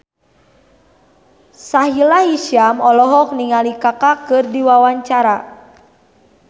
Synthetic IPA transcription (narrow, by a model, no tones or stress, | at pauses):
saɦilahiʃamɔlɔɦɔk̚niŋalikakakɨrdiwawaɲt͡ʃaɾa